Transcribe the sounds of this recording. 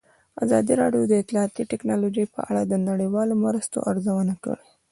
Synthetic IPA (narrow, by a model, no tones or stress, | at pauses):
azɑd̪iɾɑɖjod̪əɪt̪lɑɑt̪iʈɪknɑlod͡ʒəjpə̰ʔa̰ɽad̪ənaɽəjwɑlomɾəst̪o̰ʔaɾzawənakə̰ɽi